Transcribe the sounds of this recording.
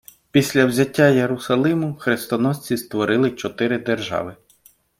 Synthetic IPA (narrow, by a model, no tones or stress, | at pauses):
pʲisʲlʲɐwzʲɐtʲːajeɾʊsɐlˠɪmʊxɾest̪ɔnɔsʲt͡sʲist̪ʋɔɾɪlˠɪt͡ʃɔt̪ɪɾɪd̪erʒɑ̰ʋɪ